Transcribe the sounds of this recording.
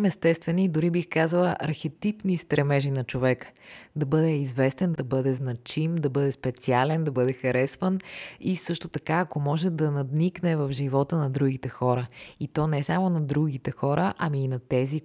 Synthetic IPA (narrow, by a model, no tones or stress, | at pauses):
mɛst̪ɛst̪vɛnid̪ʊɾibixkazəlˠəʔɐɾxɛt̪ipnist̪ɾɛmɛʒinɐt͡ʃovɛkə̥d̪ɐbɤd̪ɛizvɛst̪ɛnd̪ɐbɤd̪ɛznɐt͡ʃimd̪ɐbɤd̪ɛspɛt̪sialɛnd̪ɐbɤd̪ɛxɐɾɛsvənisɤʃt̪ot̪ɐkaːkomɔʒɛd̪ɐnɐd̪niknɛvɐvʒivɔt̪ənɐd̪ɾuɡit̪ɛxɔɾəit̪ɔnɛsamonɐd̪ɾuɡ̟it̪ɛxɔɾʔəʔɐmiːnɐt̪ɛzi